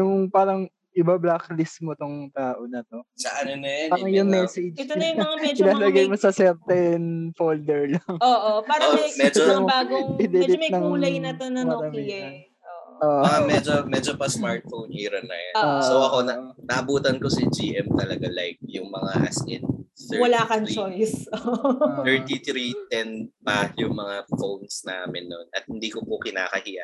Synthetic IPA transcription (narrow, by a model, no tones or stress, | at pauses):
jʊŋpaːɾɐŋ | ʔɪbablaklɪsmot̪oŋt̪aːʔonɐt̪o̞sɐʔɐnonɐjanpaːɾɐŋjʊŋmɛsɛd͡ʒ | ɪnaːlɐɡajmosɐsɛɾt̪ɛnfold̪ɛɹlaŋoʔoaɾomɛd͡ʒ | ɪd̪ɛlɪnɐŋnɐt̪onɐɐɾɐmiɐ | oː | oɐamɛd͡ʒomɛd͡ʒopɐsmaɹt̪̚fownʔiɾɐnːɐ̰janosowʔɐko̞nɐnɐʔɐbuːt̪ɐnkosɪd͡ʒiːʔɛmt̪ɐlɐɡalajk̚jʊŋmɐŋaʔɐ̰sɪnt̪ɛwɐlaːkɐnt͡ʃojsoɛɹt̪it̪ɾit̪ɛnpɐjʊŋmɐŋafownsnaːmɪnːonɐt̪̚hɪnd̪iːkopokɪna̰ːkɐhijɐ̰